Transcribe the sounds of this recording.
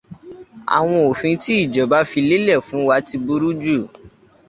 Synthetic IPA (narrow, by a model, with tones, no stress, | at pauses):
a̰˨w̃ɔ̃˧o˨fĩ˧˦ti˦i˦˨d͡ʒɔ˨ba˨˦fi˧le˦lɛ˦˨fũ˨˦wa˦ti˧bu˦ɾu˦d͡ʒu˦˨